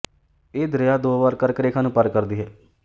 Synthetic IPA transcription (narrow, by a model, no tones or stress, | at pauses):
eːd̪əɾɪjaːd̪oːbaːɾkəɾkəɾeːkʰãːnũːpəɾkəɾd̪iːɦɛː